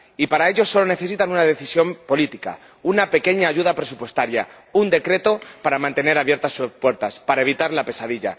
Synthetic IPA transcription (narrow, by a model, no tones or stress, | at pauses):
ipaɾaeʎo̞sːo̞lo̞ne̞θe̞sit̪anunaðe̞θisjo̞mpo̞lit̪ika̰ | unape̞ke̞ɲaːʝuð̞apɾe̞s̬upwe̞st̪aɾja | und̪e̞kɾe̞t̪o̞paɾamãnt̪e̞ne̞ɾaβje̞ɾt̪asːuspwe̞ɾt̪aspaɾae̞β̞it̪aɾlape̞saðiʎa̰